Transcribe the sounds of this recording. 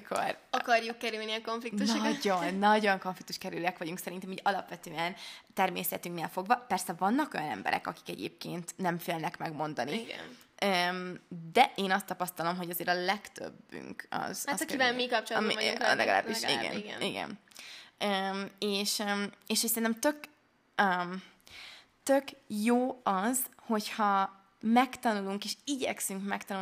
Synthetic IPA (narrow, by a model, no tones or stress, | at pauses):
kʰo̰rɒkɒrjukːɛɾylniɒko̞ɱflikt̪uʃnoɟonːɒɟo̞ŋko̞ɱflikt̪uʃkɛɾylɛkʋɒɟuŋksɛɾint̪ɛmiɟɒlɒpʋɛt̪øːɛnt̪ɛrmḛːsɛt̪yŋkneːlfo̞ɡvɒpɛrsɛvɒnːɒko̞jɒnɛ̰mbɛ̰ɾʔɛ̰kɒ̰ki̥kɛɟḛːp̚kḛːnt̪nɛɱfeːlnɛkmɛɡmo̞nd̪ɒniɡ̰ømd̪ɛʔeːnɒst̪ːɒpɒst̪ɒlo̞mɦo̞ɟɒzeːɾɒlɛkt̪ø̰bːy̰ŋkɒ̰zkamikɒp̚t͡ʃoṵlʔɛ̰ɡɒla̰ːbbiʃḭɡɛ̰nɡniɡɛ̰n | ømeːʃeːʃhocsɛɾint̪ɛmt̪ø̞k | øm | t̪økjoːɒzho̞chɒ | mɛkt̪ɒnuluŋkeːʃiɟɛksyŋkmɛkt̪ɒnu